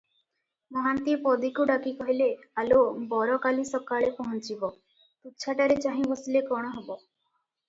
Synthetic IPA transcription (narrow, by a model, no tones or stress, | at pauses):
mɔɦant̪ipɔd̪ikuɖakikɔɦilealobɔɾɔkalisɔkaɭepɔɦɔnt͡ʃibɔ | t̪utːt͡ʃʰaʈaɾet͡ʃaɦĩbosilekɔɽ̃ɔɦɔbɔ